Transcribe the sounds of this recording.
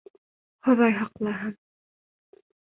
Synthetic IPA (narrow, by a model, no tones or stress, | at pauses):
hŏðɑjɦɑqlˠɑɦɤm